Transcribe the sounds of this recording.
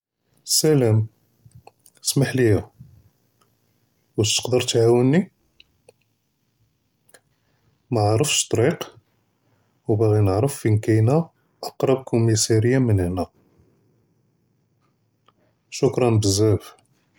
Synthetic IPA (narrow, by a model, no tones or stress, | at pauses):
sælæm | smaħlijæ | wæʃt̪ə̥qd̪əɾt̪ʕawənːi | maʕɾˤəfʃt̪ˤɾiq | wbaɣinəʕɾəfːinkæjnæ | ʔɑqɾˤɑb̚kʊmisiɾəjːamənəhnæ | ʃʊkɾˤɑnbəzːæf